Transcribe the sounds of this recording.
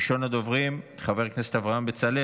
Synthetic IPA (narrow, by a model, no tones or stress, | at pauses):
ʃonad̪ovʁimt̪χabe̞ʁkneset̪avʁaambet͡sale